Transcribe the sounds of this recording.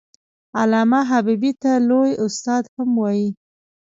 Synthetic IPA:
alɑmaɦabibit̪alojʊst̪ɑd̪hamwɑji

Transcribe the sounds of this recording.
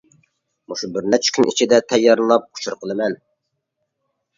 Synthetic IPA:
muʃubɪɾnɛt͡ʃʰy̥kʲʰynʔḭt͡ʃʰid̪ɛt̪ʰɛjːɑɾlɨlˠɑp̚qʰʊ̥t͡ʃʰuɾqʰəlˠɨmɛn

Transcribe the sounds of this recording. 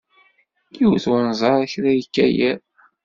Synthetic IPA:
jiwθwnzˤɑɾˤæçɾæjəkːæjæ

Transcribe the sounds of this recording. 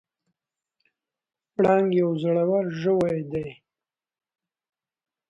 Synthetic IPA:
pɽɑŋɡjawzəɽawaɾʒəwajd̪aj

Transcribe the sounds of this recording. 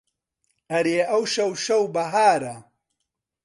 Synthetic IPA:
ɐɾeːʔɐwʃɐwʃɐwbɐɦaːɾɐ

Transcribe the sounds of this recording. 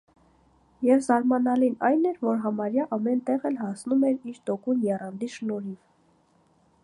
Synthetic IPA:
jɛvzɑɾmɑnɑlinɑjnɛɾvɔɾɦɑmɑɾjɑʔɑmɛnt̪ɛʁɛlhɑsnumɛɾiɾt̪ɔkunjɛrɑnd̪iʃnɔɾiv

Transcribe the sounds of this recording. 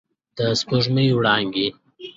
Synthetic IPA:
d̪̥əskuʐmijwɽɑːŋɡi

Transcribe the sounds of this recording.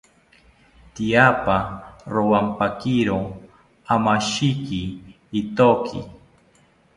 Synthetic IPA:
t̪ijapaɾowampakiɾo | amaʃikiː | t̪okʰḭ

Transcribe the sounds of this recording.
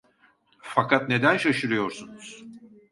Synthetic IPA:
fakʰat̪̚ne̞d̪ænʃaʃɯɾɯjo̞ɾsunuz̥

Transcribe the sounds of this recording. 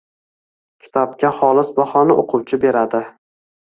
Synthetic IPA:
kʲʰɪ̥t̪ʰɒp̚kʲaχɒlˠɪsbɒhɒnɪʔoqʰʊwt͡ʃʰɪbe̞ɾad̪ɪ

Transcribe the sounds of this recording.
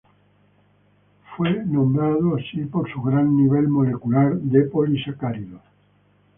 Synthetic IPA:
fwenõmbɾað̞oasipoɾsuɣɾanːiβ̞elmolekulaɾd̪epolisakaɾiðo

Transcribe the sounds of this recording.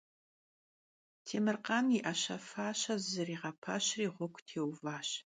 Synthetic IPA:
tʰeːmɨrqɑːniʔɐɕɐfaːɕɐzzɨriːʁɐpʰɐɕriːʁʷɔkʷʰʼtʰeːwvaːɕ

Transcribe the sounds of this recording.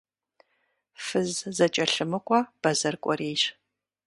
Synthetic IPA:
fɨzzɐt͡ʃʼɐɬɨmɨkʷʼɔb̥ɐzɐrkʷʼɔ̰reːɕ

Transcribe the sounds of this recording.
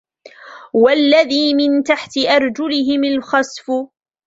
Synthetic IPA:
walːaðiːmɪnt̪aħt̪ɪʔɑɾˤd͡ʒʊlɪɦɪmalxɑsfʊ

